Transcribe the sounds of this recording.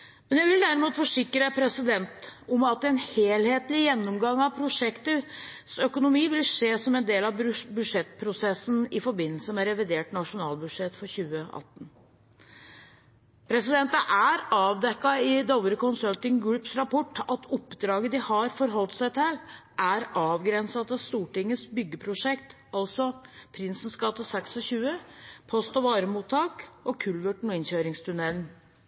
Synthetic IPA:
mɛnjæʋɪld̪æɾɪmuːt̪fɔʂɪkːɾəpʰɾɛsɪd̪ɛnt̪ʊmɑt̪̚ɛnheːlheːt̪lɪjɛnːɔmɡɑŋːɑʋpʰɾʊʂɛkt̪əsœkʊnʊmiːʋɪlʂeːsɔmɛnd̪eːlɑʋbʉd̪ʂɛt̪pʰɾʊsɛsːn̩ɪfɔɾbɪnːəlsəmɛɾɛʋɪd̪eːʈnɑʂʊnɑːlbʉʂɛt̪ːfɔɾçʉːəɑ̰t̪ːn | pʰɾɛsɪd̪ɛnt̪əʔæɾɑːʋd̪ɛkːɑɪd̪oʋəɾəkʊnsœlt̪ɪŋɡɹʉpsɾɑpʰɔʈːɑt̪ʰɔpːd̪ɾɑːɡəd̪ɪhɑɾfɔɾɦɔlt̪sæɪt̪ʰɪlʔæɾɑːʋɡɾɛnsɑt̪ɑst̪uːʈɪŋːəsbʏɡːəpʰɾʊʂɛkt̪ | ɑlsɔpʰɾɪnsn̩skɑt̪ːəsɛksɔɕʉːəpʰɔst̪ɔʋɑːɾəmuːt̪ʰːɑːkɔkʰʉlʋəʈɳ̩ʊɪnɕøːɾɪŋst̪ʰʉnɛln̩

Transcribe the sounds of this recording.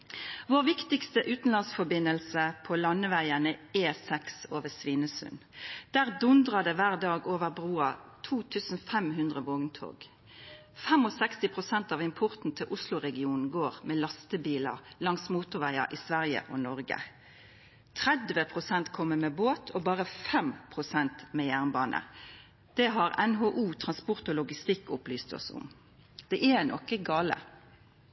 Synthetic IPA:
ʋoːʁʋɪkt̪ɪkst̪əʔʉːt̪n̩lɑnsfɔbɪnəlsəpʰɔlɑnːəʋæɪənəeːsɛksoːʋəsʋiːnəsʉ̰nd̪̥æːʁd̪ʊnd̪ʁɑd̪əʋæːʁd̪ɑːɡoːʋəʁbʁuːɑt̪ʰuːt̪ʰʉːsn̩fɛmɦʉnd̪ʁəʋoːɡnt̪ʰo̰ːɡ̥ | fɛmɔsɛkst̪ɪpʰʁʊsɛnt̪ɑːʋɪmpʰʊʁt̪n̩t̪ʰɪlʔʊslʊʁɛɡɪuːnn̩ɡoːʁmeːlɑst̪əbiːləʁlɑŋsmuːt̪ʊʁʋæɪə̰ɾʔiːsʋæʁjə̰ʔɔnɔʁɡə̰ | t̪ʰʁɛd̪ʋəpʰʁʊsɛnt̪kʰɔmːəmeːboːt̪ʰoːbɑːʁəfɛmpʰʁʊsɛnt̪meːjæʁnbɑːnʔə̰ | d̪̥ɛɦɑʁɛnɦoːʔuːt̪ʰʁɑnspʊʁt̪ɔːlʊɡɪst̪ɪkːʊplyːst̪ɔ̰sʊ̰m | d̪̥ɛʔɛnɔ̰kːəɡɑːlə̰

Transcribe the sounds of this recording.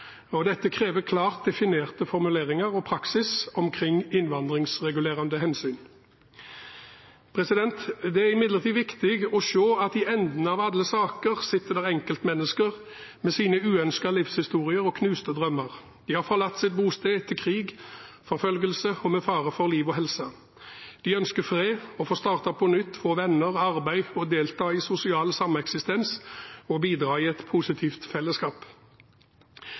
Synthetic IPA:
ɔd̪ɛt̪ːəkʰʁeːʋəkʰlɑːʁt̪̚d̪ɛfɪneːʁt̪əfɔʁmʉleːʁɪŋəʁɔpʰɾɑksɪsɔmkʰʁɪŋɪnʋɑnd̪ʁɪŋsʁɛɡʉleːʁɑnd̪əɦɛnsyːn | pʰʁɛsɪd̪ɛnt̪d̪ɛæɪmɪd̪ləʁt̪ʰiːʋɪkt̪ɪɡɔʃoːɑt̪̚ɪɛnd̪nəɑʋɑd̪ləsɑːkəʁsɪt̪ːəd̪ɛʁɛŋkəlt̪mɛnːəskəʁ | mɛsiːnəʉːœnskɑlɪfshɪst̪uːʁɪəɾɔkʰnʉːst̪əd̪ʁœmːəʁ | d̪̥ɪhɑːʁfɔʁlɑt̪ːsɪt̪̚buːst̪eːt̪ʰɪlkʰʁiːɡ | fɔɾfœlɡəlsəɔmɛfɑːʁəfɔʁliːʋɔɦɛlsə | d̪̥ɪœnskəfʁeːɔfɔːst̪ɑːʁt̪ɑpʰɔnʏt̪ːfoːʋɛnːəʁɑʁbæɪɔd̪eːlt̪ʰɑːiːsʊsɪɑːlsɑmɑɛksɪst̪ɛnsɔbiːd̪ɾɑːiːɛt̪pʰʊsɪt̪ʰiːft̪fɛlːəskɑːp

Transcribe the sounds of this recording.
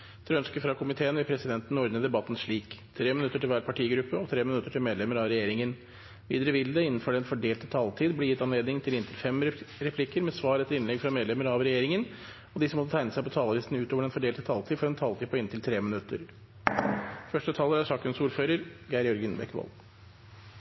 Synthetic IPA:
t̪ʰɛɾœnskəfɾɑkʰʊmɪt̪ʰeːənʋɪpʰɾɛsɪd̪ɛnt̪nɔɾd̪nəd̪ɛbɑt̪ːn̩ʂɭiːkt̪ʰɾeːmɪnʉt̪ːəʈɪlʋæːɾpʰɑʈʰiːɡɾʉpːəɔt̪ʰɾeːmɪnʉt̪ːəʈɪlmeːd̪lɛməɾɑʋɾɛjeːɾɪŋən | ʋḭːd̪əɾəʋɪld̪ɛɪnːn̩fɔɖɛnfɔɖeːlt̪ət̪ʰɑlt̪ʰiːd̪blɪjɪt̪ːɑnleːd̪nɪŋt̪ʰɪlɪnt̪ʰɪlfɛmɾɛpʰlɪkəɾmɛsʋɑːɾɛt̪ːəɾɪnlɛɡfɾɑmeːd̪lɛməɾɑʋɾɛjeːɾɪŋən | ɔd̪ɪsɔmɔt̪ːət̪ʰæɪnəsæɪpɔt̪ʰɑːləlɪst̪n̩ʉːt̪oːʋəɖɛnfɔɖeːlt̪ə̥t̪ʰɑlt̪ʰiːd̪fɔɾɛnt̪ʰɑlt̪ʰiːpʰɔɪnt̪ʰɪlt̪ʰɾeːmɪnʉt̪ːə̰ɾ | fœʂʈət̪ʰɑːləɾæʂɑːkənsuːɾføːɾəɾɡæɪɾjɔɾɡənbɛkːʋɔ̰l

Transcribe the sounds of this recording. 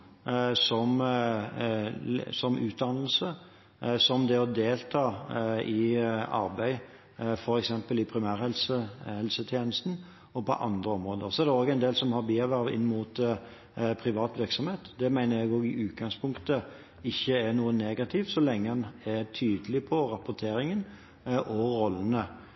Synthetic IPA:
sɔm | sɔmʔʉːt̪̚d̪ɑnl̩sə | sɔmd̪ɛɔd̪eːlt̪ʰɑːɪɑ̰ɾbæɪ | fɔɾɛksɛmpəlɪpʰɾɪmæːɾhɛlsəhɛlsət̪ʰjeːnəst̪n̩ | ɔpɔ̰ʔɑ̰nd̪ɾəɔmɾoːd̪əɾsɔɛɾd̪ɛoːɡɛɪnd̪eːlsɔmhɑɾbiːæʋæɾʋɪ̰nːmuːt̪ | pʰɾɪʋɑːt̪ʋɪɾksɔmheːt̪d̪ɛmæɪnəɾjæɪɡoːɡɪʔʉːt̪̚ɡɑŋspʰʊŋkt̪ə | ɪçːəæɾnuːəneːɡɑt̪ʰɪʋsɔlɛŋːəɛnæt̪ʰyːd̪əlɪpʰɔɾɑpʊt̪ʰeːɾɪŋən | ʔɔɾɔlːənə

